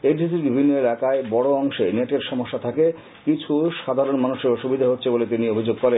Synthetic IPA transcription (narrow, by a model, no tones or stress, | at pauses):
eɾʱit̪iɾbibʱinːoelakaebɔɽoɔŋʃeneʈeɾʃɔmoʃːat̪ʰake | kit͡ɕʰuʃad̪ʱaɾonmanuʃeʃubid̪ʱaɦotːɕʰebolet̪̬iniobʱid͡ʑoɡ̚kɔɾen